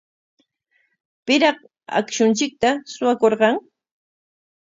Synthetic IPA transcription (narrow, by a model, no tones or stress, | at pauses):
pɪɾɑq | a̰kʃʊnt͡ʃɪk̚t̪asʊwakoɾɢɑŋ